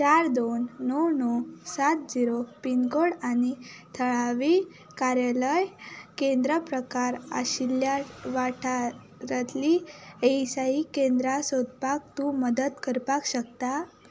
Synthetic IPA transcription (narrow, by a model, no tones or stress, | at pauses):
t͡ɕaɾd̪onːɔwnɔsat̪̚d͡ʑiɾopinɡoɽanit̪ʰəɭaʋi | kaɾjaləjkẽnd̪ɾəpɾəkaɾa̰ɕiljaʋaʈʰa | ɾat̪liesaikẽnd̪ɾasod̪pak̚t̪uməd̪ət̪kəɾpakɕək̚t̪a